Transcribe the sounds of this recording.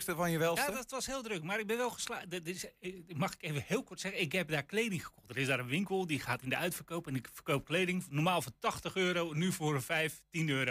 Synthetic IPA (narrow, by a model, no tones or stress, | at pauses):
kstəfɔnjəʋɛlˠsjadɔtʋɔshɪəlˠdrøkmarɪɡ̚bɪnʋɛlˠɣəsladɪsmɑxɪ̥kejvəhɪːlˠkɔrtsɛɣəɪkɦɛp̚daːklejdɪŋχə̥kʰɔxt̚dəɹɪsdaːɾə̃nʋɪŋkəlˠdixaːtɪndəœɥtfərkowpɛnɪkfərkowp̚kleːdɪŋnɔrmaːlˠfʊtɑxtəxøːɾonyfʊːrənfɛjftinøːɾo